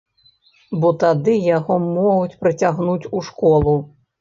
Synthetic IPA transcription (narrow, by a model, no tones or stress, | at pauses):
bɔt̪ad̪ɨjaɣɔmɔɣut͡sʲpɾɨt͡sʲaɣnut͡sʲuʂkɔlˠu